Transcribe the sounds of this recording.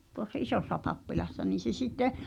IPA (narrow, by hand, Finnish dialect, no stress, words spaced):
tuosːɑ ʔisoˑsːɑ pɑpːilɑsːɑ niːn̞ se sitːe